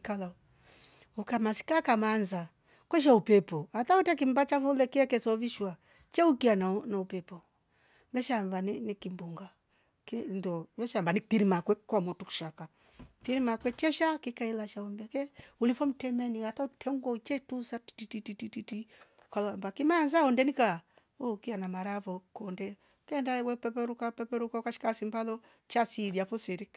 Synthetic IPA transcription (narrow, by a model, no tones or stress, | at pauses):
kala | ukamasi̥kakamanza | kwɛʃ̬aupɛpɔatautɛk̬imbat͡ʃavɔlɛkiɛkɛsɔviʃwa | t͡ʃɛukiananaupɛpɔ | mɛʃambaninikimbuŋɡa | kindɔvɛʃambanitiɾimakwɛkwamɔtuku̥ʃaka | tiɾimakwɛt͡ʃɛʃakikailaʃaɔmbɛkɛulifɔm̩tɛmɛniɣatautʰɛŋɡɔt͡ʃɛtusati̥titititititi | kalɔambakimanzaɔndɛnika | ɔkianamaɾafɔkɔndɛ | kɛndawɛpɛpɛɾukapɛpɛɾukaukaʃi̥kasimbalɔ | t͡ʃasiðiafusɛɾik